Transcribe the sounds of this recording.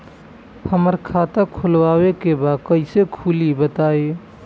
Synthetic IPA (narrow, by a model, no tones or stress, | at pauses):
həməɾkʰat̪akʰulwawekebad̪kəɪsekʰulibət̪ae